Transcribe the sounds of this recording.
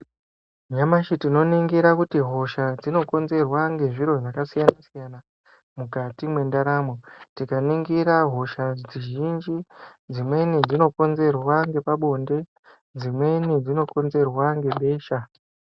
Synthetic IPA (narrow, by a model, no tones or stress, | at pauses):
ɲamaʃitino̞niŋɡiɾakutiɦo̞ʃad͡zino̞ko̞nze̞rwaŋɡe̞ʐiɾo̞ʐakasijanasijana | mukatimwe̞ndaɾamo̞tikaniŋɡiɾaɦo̞ʃad͡ziʒind͡ʒid͡zimwe̞nid͡zino̞ko̞nze̞rwaŋɡe̞paɓo̞nde̞ | d͡zimwe̞nid͡zino̞ko̞nze̞rwaŋɡe̞ɓe̞ːʃa